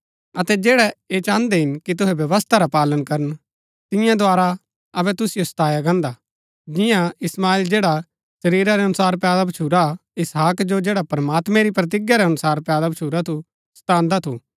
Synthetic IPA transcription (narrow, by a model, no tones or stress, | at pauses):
ɐt̪ɛd͡ʒeːɽɛet͡ʃãːnd̪ɛɦɪnkit̪ʊɦɛbjɐʋəst̪ʰaɾapaːlənkɐɾən | t̪ɪ̃jãd̪oaːɾa | ɐbɛt̪ʊsɪjost̪aːjaɡãːnd̪a | d͡ʒɪjãɪsmaːild͡ʒeːɽa | sɐɾiːɾaɾɛɦɐnʊsaːɾpaːd̪abɐt͡ʃʰuːɾaɪsɦaːkd͡ʒod͡ʒeːɽapɾɐmaːt̪mɛ̃ɾipɾɐt̪̬ɪɡjaɾɛɦɐnʊsaːɾpjaːd̪abɐt͡ʃʰuːɾat̪ʰu | st̪ãːnd̪at̪ʰu